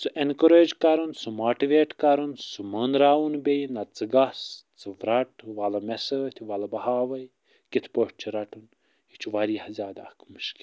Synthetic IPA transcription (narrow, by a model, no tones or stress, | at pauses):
sɨʔenkəɾeːd͡ʒkɐɾunsumaːʈiʋeːʈkɐɾunsumənɾaːunbejnɐt͡sɨɡɐst͡sɨʋɾɐʈʰʋɐlɐmesəːt̪ʲʰʋɐlɐbɐhaːʋɐj | kit̪ʰpoʈ̚t͡ʃʰiɾɐʈʰun | hit͡ʃʰuʋɐɾiːhɐzʲjaːd̪a̰kmɨʃkʲi̥